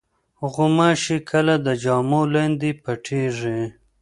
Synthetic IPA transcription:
ɣʊmaʃikʰəlad̪əd͡ʒɑːmolend̪ipaʈʰeʐi

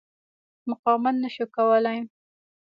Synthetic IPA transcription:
mʊqɑmat̪naʃukawəlaj

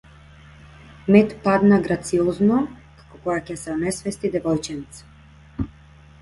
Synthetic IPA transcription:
mɛt̪pad̪naɡɾat̪siɔznɔ | kḁkɔkɔjacɛsɛɔnɛsvɛst̪id̪ɛvɔjt͡ʃint̪s

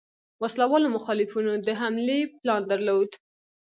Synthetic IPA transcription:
waslawɑlomʊxɑlɪfunod̪əɦamleplɑnd̪əɾlod̪

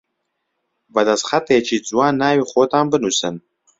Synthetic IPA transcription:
badasχatʰʼajat͡ʃʰid͡zʼwanaːɥiχʷotʰʼaːmbɨnusɐ̰n

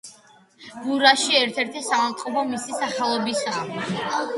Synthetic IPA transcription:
buɾaʃiɛɾt̪ʰɛɾt̪ʰisamant̪ʼqʼɔpʰɔmisisaχalˠɔbisaː

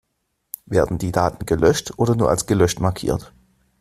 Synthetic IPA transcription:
veːɐdn̩diːdaːtn̩ɡəlœʃtʔoːɾɐnuːɐa̰lsɡ̥əlœʃtmaɐkʰḭːɐt

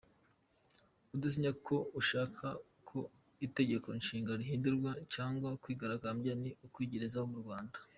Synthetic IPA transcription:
udas̬iɲakʰo̞uʃaːkʰa | kʰo̞ | ite̞ɟe̞ko̞nʃiːŋɡaɾiɦiːnduɾɡwacaːŋɡwakwiːɡaɾaɡamɟaniukwiːɟeɾezahomuɾɡwaːndḁ

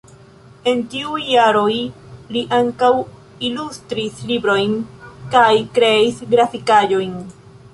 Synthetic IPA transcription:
e̞ntiujːaɾo̞jliʔaŋkaw | ilustɾislibɾo̞jnkajkɾe̞isɡɾafikad͡ʒo̞jn

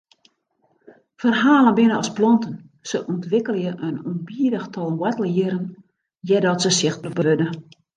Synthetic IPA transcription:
fərɦaːlˠənbɪnəɔsplɔntən | səʔɔntʋɪkəlˠjəʔənunbiədəxtʰɔlˠwɛtəlˠjəɾən | jɛdɔtsəsɪxəbəʋødə

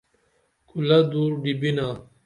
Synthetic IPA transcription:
kulɐd̪uːɾɖibina

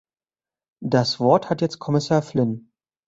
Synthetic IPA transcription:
d̥asv̥ɔɐthatjɛt͡st̚kʰɔmɪsaːɐflɪn

